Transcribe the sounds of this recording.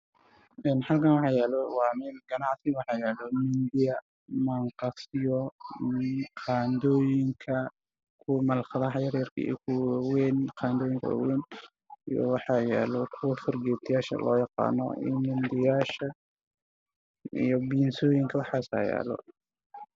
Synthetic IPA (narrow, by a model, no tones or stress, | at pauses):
ʔɛːnħɑlkʰɐnwɑħɑjɛːlɔwɑːmɪnɡ̥ɐnɑʕsɪwɑħɑjɛːlɔmɪnd̪ɪjɐ | mɐɴqɑsɪjɔ | qɑːnd̪ɔːjɪŋkʰɐ | kʰʊmɐlχɑðɐɦɐjɐɾɛɐrkʰɐ̰ḭɔkʰʊwwɛːnqɑːnd̪ɔːjɪŋkʰɐ̰wa̰wɛːn | ijɔ̰wɑħɑjɛ̰ːlɔkʰʊwɐfɔrɡɛːt̪ʰɪjaːʃɐ̰lɔ̰ːjɑqɑ̰ːnɔ̰ɪ̰nmɪnd̪ɪjaːʃɐ | ḭjɔbiːnsɔːjɪŋkʰɐwɑħɑːsa̰ːjɛ̰ːlɔ̰